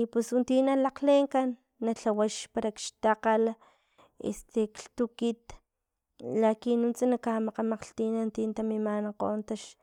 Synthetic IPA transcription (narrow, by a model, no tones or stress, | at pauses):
pesunt̪inalaqleŋkanː | aɬawaʃpaɾakʃt̪aqala | ḛst̪ekɬt̪ukit̪ | lakinunt͡sanakamaqamaqɬt̪inant̪int̪amimanaqoːnt̪aʃ